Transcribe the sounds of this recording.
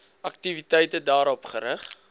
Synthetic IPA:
ɐk̚tivitɛjtədɑːɾɔpχəɾəχ

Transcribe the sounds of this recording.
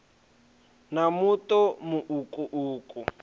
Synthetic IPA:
namutɔmuʔukʼuʔuːkʼu

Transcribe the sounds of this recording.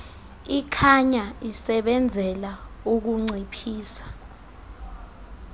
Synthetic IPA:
ikʰaɲaisɛɓɛnd͡zʱɛlauk̬uŋ͡ǀʱipʰiːsḁ

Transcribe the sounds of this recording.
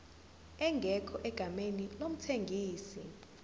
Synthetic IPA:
ɛŋɡʱɛkʰɔʔɛɡ̥ʱamenilom̩tʰeŋɡʱiːsi

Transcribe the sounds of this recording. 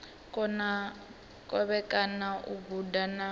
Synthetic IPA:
kʼɔna | kʼɔβɛkʼanaʔuɡudana

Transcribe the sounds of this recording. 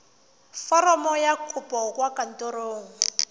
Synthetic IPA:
fɔɾɔmɔjakʰupʼɔkwakʼan̩tʼoɾoːŋ̩

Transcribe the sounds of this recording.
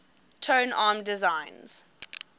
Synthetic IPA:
tʰə̃ːnaːmdɪzãɪ̃nz̥

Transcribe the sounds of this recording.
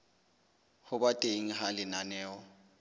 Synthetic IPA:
hʊbatʼeŋ̩ɦalɪnanɛːɔ

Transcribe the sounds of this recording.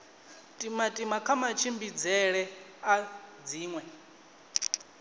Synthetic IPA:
tʼimatʼimakʰamat͡ʃʰimbid͡zɛɺɛad͡ziːŋwɛ

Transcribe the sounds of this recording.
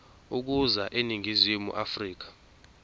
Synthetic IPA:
uk̬uzaʔeniŋʱizimṵʔafriːk̬ḁ

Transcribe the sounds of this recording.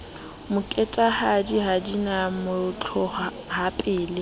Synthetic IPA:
mʊkʼɛtʼahadiɦadinamʊt͡ɬʰɔ | hapʼɪːle

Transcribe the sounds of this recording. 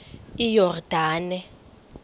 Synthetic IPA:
ijɔrd̥ʱaːnɛ

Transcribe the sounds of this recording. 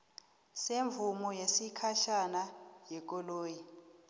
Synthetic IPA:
seɱvumɔjesikʰaʃanajɛk̬ʼɔloːji

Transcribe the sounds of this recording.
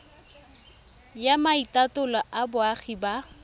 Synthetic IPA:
jamaitatʊlaʔabʊaχiba

